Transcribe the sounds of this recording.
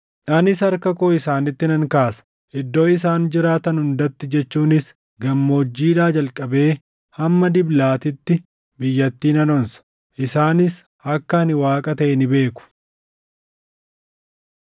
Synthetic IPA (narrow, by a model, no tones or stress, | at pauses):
ᶑɐnɪsɐɾkɐkoːɪsaːnɪt̪ːɪnɐŋkaːsɐ̥ | ʔɪd̪ːo̞ːɪs̬aːnd͡ʒɪɾaːt̪ɐnhʊnd̪ɐt̪ːɪd͡ʒɛt͡ʃːuːnɪs | ɡɐmːo̞ːd͡ʒːiːᶑaːd͡ʒɐlkʼɐbe̞ː | hɐmːɐd̪ɪblaːt̪ɪt̪ːɪ | bɪjːɐt̪ːiːnɐnɔnsɐ̥ | ʔɪsaːnɪs | ɐkːɐɐnɪwaːkʼɐt̪ɐʔɛnɪbe̞ːkʊ̥